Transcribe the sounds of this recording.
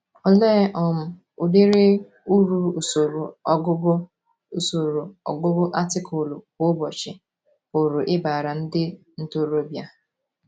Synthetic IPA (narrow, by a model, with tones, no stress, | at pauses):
ɔ˦leː˦ʔɔ˨m̩˦ | ʊ˨de˦ɾe˦ | u˦ɾu˦˨so˨ɾʊ˨˦ɡʊ˦b | so˨ɾo˨ɔ̰˨ɡʊ˦bʊ˦ʔa˦tɪ˦kʰʊ˨lʊ˨kʊ˦bɔ˨t͡ʃɪ̰˨ | o˨ɾʊ˨ʔɪ˦ba˨ɾa˨n̩˦dɪ˦ | n̩˦to˦ɾo˦bja˨